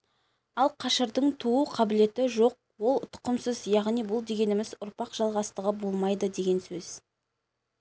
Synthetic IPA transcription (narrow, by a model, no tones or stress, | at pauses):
ɑlˠqʰɑʃəɾd̪əɴt̪ʰuwəqʰɑbɪle̞t̪ɪʒo̞q̚wo̞lˠʊt̪ʰʊ̥qəmsəzjɑʁnijbʊlˠd̪e̞ɡʲe̞nɪmɪzʊɾpɑqʒ̥ɑlˠʁɑst̪əʁəbo̞lˠmɑjd̪əd̪e̞ɡʲe̞nsɵz̥